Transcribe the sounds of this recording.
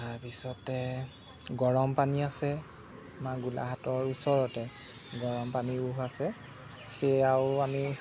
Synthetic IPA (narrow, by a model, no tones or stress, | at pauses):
taɹpisɔtɛ | ɡɔɹɔmpaniasɛ | maɡulʔa̰ɦatɔɹusɔɹɔtɛ | ɡɔɹɔmpaniuɦasɛ | xejawʊami